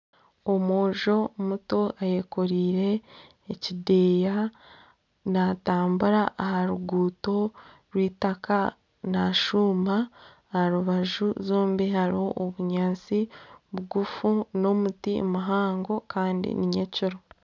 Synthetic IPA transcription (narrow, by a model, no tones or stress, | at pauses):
o̞moːʒo̞muto̞aje̞ko̞ɾiːɾe̞ː | cideːja | nataːmbuɾaʔːhaɾuɡuːto̞ | ɾwiːtaka | naʃuːmbaː | haɾuβaʒuzoːmbihaɾioʔːβuɲaːnt͡siβuɡufuno̞mutḭmaɦaːŋɡo̞kaːndḭniɲeciɾo